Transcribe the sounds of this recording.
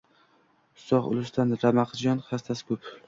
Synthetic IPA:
ʊ̥st̪ɒχʊ̰lˠʊst̪anɾamaqʰd͡ʒɒnχast̪ʰasɪ̥kʰɵp

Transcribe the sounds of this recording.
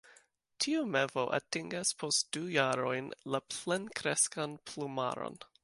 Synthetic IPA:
tʰiumevo̞ʔa̰tiŋɡaspʰost̚d̥ujaɾo̞jnlaplenkɾeskanpluma̰ɾo̰n

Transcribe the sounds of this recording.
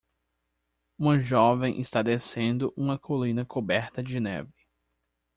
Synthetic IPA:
ũmɐʒɔvẽj̃ʔɪst̪ad̪esẽnd̪ʊʔũmɐkʰolĩnɐkʰobɛɾt̪ɐd͡ʒɪnɛ̰vɪ

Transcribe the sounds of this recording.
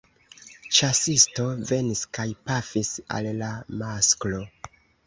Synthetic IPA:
t͡ʃasisto̞ve̞niskajpafisa̰llamasklo

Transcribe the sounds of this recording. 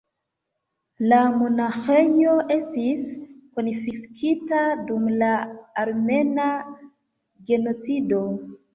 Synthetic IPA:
lamo̞naxe̞jo̞ʔe̞stiskonifiskʰitadumlaːɾme̞na | ɡe̞no̞t͡sido̞

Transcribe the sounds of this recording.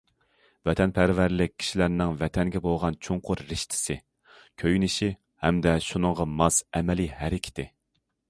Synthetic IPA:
vɛt̪ʰɛnpʰæɾvæɾlɪk̚ʲʰːi̥ʃilæɾnɪŋvɛt̪ʰɛŋɡʲɛbolˠʁɑnt͡ʃʰoŋqʰʊɾːɪʃt̪ʰɪ̥sɪ | kʲʰøjnɪʃi | hɛmd̪ɛʃunɨŋʁɑmɑsɛmɛlihæɾɪkʲʰi̥t̪ʰɪ

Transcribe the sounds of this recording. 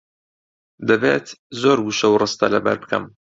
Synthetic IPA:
d̪ɐbeːt̪zoːɾɡuʃɐwrɨst̪ɐ̰lɐbɐ̰ɾbɨkʰɐ̰m

